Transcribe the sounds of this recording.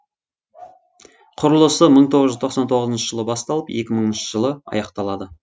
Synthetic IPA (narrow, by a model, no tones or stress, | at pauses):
qʰʊɾəlˠəsəməɴt̪ʰoʁəzʒʏzt̪oqsɑnt̪ʰo̞ʁəzənʃəʒəlˠəbɑst̪ɑlˠəpje̞kʲɪməɴənʃəʒəlˠəɑ̰jɑqt̪ɑlˠɑd̪ə